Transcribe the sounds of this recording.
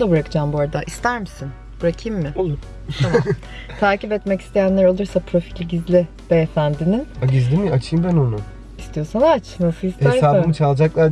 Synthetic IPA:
d̪abɾakɯd͡ʒaːmbuaɾad̪aʔist̪ʰæɾmisin | b̥uɾakʰɯjmːɪ | ama | t̪ʰaːcipɛt̪mɛci̥st̪ʰe̞jænlʲæɾo̞lˠuɾsapʰɾo̞filʲɟizlʲɪ | d̪̥ɛːfænd̪inimaɟizd̪imat͡ʃʰɯjɯmbæno̞nu | ist̪ʰijo̞sanat͡ʃnasɯlˠist̪h̪ʰeæɾsaːbɯmɯt͡ʃʰalˠd͡ʒaklˠaɾ

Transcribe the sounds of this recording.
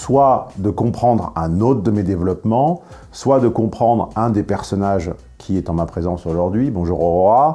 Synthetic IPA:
swad̪əkɔ̃pχɑ̃d̪ʁɛ̃not̪χd̪əmed̪evlɔpmɑ̃ | swad̪əkɔ̃pχɑ̃d̪ʁɛ̃d̪epɛʁsɔnaʒ | kʲʰiɛt̪ɑ̃mapχezɑ̃soʒuʁd̪ɥibɔ̃ʒuʁɔʁɔa

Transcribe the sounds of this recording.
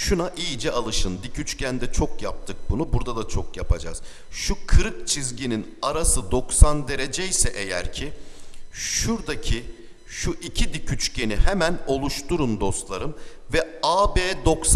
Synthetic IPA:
ʃunaʔiːd͡ʒɛalˠɯʃɯnd̪icʰyt͡ʃcænd̪ɛt͡ʃʰokjap̚t̪ʰɯk̚bunubuɾd̪ad̪at͡ʃʰo̞kjapʰad͡ʒa̰z̥ | ʃukʰɯɾɯk̚t͡ʃʰizɟininaɾasɯd̪o̞ksand̪e̞ɾe̞d͡ʒejsɛʔe̞jæ̰ɾcʰi | ʃuɾd̪acʰi | ʃuʔicʰid̪icʰyt͡ʃcʰe̞nihɛmæno̞lˠuʃt̪uɾund̪o̞st̪lˠaɾɯm | vɛaːbeːd̪o̞ks

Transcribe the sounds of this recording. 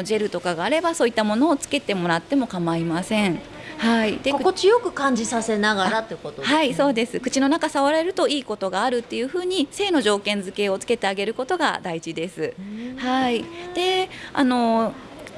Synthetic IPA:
ʑe̞ɾɯ̟t̪o̞kaɡaːɾe̞baso̞ːit̪ːamo̞no̞ːt͡sɨ̥ke̞t̪e̞mo̞ɾat̪ːe̞mo̞kamaimasẽ̞ɴ | haid̪ekkot͡ɕijokɯ̟kãɲ̟d͡ʑisase̞naɡaaɾat̪ːekot̪ohaiso̞ːd̪e̞sɨkɯ̟t͡ɕino̞nakasaβaɾe̞ɾɯ̟t̪o̞iːko̞t̪o̞ɡaːɾɯ̟t̪ːe̞jɯ̟ːɸɯ̟ːɲ̟ise̞ːno̞ʑo̞ːkẽ̞nd͡zɨke̞ːo̞t͡sɨ̥ke̞t̪e̞aɡe̞ɾɯ̟ko̞t̪o̞ɡa̰d̪aid͡ʑid̪e̞sɨhaid̪̥e̞a̰no̞

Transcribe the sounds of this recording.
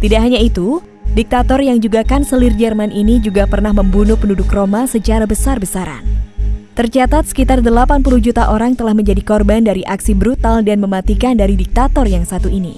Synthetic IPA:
t̪idaʔɦaɲait̪u | dik̚t̪at̪ɔrjaŋd͡ʒuɡakansəlird͡ʒərmanʔinid͡ʒuɡapərnahməmbunuhpəndudʊkromasət͡ʃaɾabəsarbəsaɾa̰nt̪ərt͡ʃat̪at̪̚sə̥kit̪ardəlapanpuluhd͡ʒut̪aʔoɾaŋt̪əlahməɲd͡ʒadikɔrbandaɾiʔaksibɾut̪aldanməmat̪ikandaɾidik̚t̪at̪ɔrjaŋsat̪uinḭ

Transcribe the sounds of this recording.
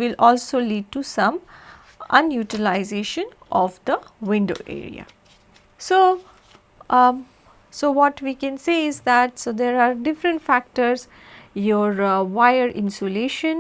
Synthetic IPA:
ʋɪlɔːlsoːliːɖ̚ʈusʌ̃m | ə̃njuːʈəlaɪzeːʃə̃nʔɔʋd̪əʋɪ̃ɳɖo̰ːʔḛːɾḭa̰ | soː | soːʋɔʈʋiːkɛ̃nseːɪzd̪æʈsod̪eːɾaːɾɖɪfɾə̃ɳʈfæk̚ʈəɾz | joːɾʋaɪəɾʔɪ̃nsoleːʃə̃n

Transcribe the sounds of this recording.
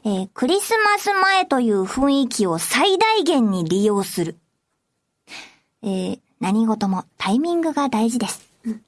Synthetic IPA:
eːkɯ̟ɾʲisɨmasɨmae̞t̪o̞jɯ̟ːɸɯ̟̃ɰ̃ikʲio̞said̪aiɡẽ̞ɲ̟ːiɾʲijo̞ːsɨɾɯ̟ | eː | naɲ̟iɡo̞t̪o̞mo̞t̪aimʲĩŋɡɯ̟ɡad̪aiʑid̪e̞sɨ̥

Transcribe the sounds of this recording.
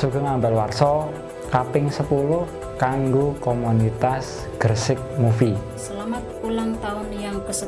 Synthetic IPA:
suɡ̥ɔ̤ŋambalwarsɔ | kapɪŋsəpulʊh | kaŋɡokomunit̪as | ɡ̥ərsɪk̚mufi | səlamat̪̚pulaŋt̪aʊnjaŋpəsə

